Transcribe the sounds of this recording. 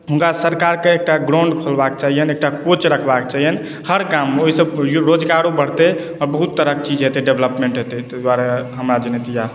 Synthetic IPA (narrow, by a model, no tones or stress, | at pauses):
ɦuŋkasəɾkaɾkeek̚ʈaɡɾaʊɳɖkʰəlbak̚t͡ʃaɦijənek̚ʈakot͡ʃɾəkʰbakt͡ʃaɦijən | həɾkamːeoɦisəbɾod͡ʒkaɾobəɽ̤t̪ɛ | ɔɾbəɦut̪ːəɾək̚t͡ʃid͡ʒɦet̪ɛɖebləpmẽɳʈɦet̪ɛt̪d̪waɾeɦəmɾad͡ʒenet̪ija